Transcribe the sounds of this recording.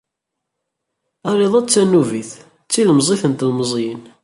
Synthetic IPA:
æɾˤeðˤæt͡sːænːuviθ | t͡sːiləmzˤiθənt̪lməzˤjən

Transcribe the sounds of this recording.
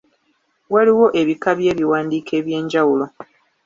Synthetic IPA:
waliwo̞ʔe̞βikaβje̞ːβiwaːndiːkʰe̞ːβje̞ːɲɟawulo̞

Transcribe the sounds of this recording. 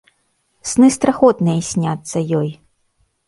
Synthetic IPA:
snɨst̪ɾaxɔt̪nɨjɐsʲnʲat̪sːɐjɔj

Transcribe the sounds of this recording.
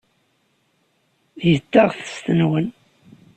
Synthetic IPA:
jət̪ːɑʁθə̥st̪ənwən

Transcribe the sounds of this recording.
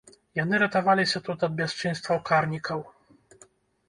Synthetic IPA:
janɨɾɐt̪avalʲisʲɐt̪ut̪ɐd̪̚bʲast͡ʂɨnst̪vɐwkarnʲikʰɐw

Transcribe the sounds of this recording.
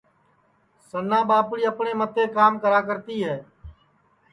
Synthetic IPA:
sənːãːɓaːpɳiːəpɳeːmət̪ʰeːkaːmkəɾaːk̬əɾt̪iːɦɛː

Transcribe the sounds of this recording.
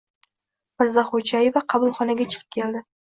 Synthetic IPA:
mɪɾzaχod͡ʒaje̞vaqʰɑbʊlˠχɒnaɡʲat͡ʃʰɨ̥qɨ̥p̚kʲʰe̞lˠd̪ɪ

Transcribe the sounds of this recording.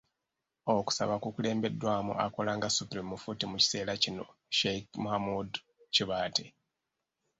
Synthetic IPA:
oku̥sa̰βakukule̞ːmbe̞dːwaːmṵa̰ko̞laːŋɡasupɾimːufutimuci̥se̞ːlacino̞̰ʃekmuhamud | ciβaːtʰe

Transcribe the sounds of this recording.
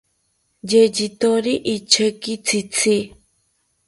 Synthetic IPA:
d͡ʒed͡ʒit̪oɾiʔit͡ʃʰəkit͡sit͡si

